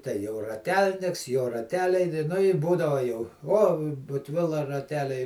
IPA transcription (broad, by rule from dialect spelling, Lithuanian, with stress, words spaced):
tʲɛɪ jɛʊ rɐˈtʲɛlʲnʲɪks joː rɐˈtʲæːlʲɛɪ nʲɪ nʊ ɪ ˈbuːdɐʋɐ jɛʊ ˈoː bʊtʲˈʋʲɪlˠɐ rɐˈtʲæːlʲɛɪ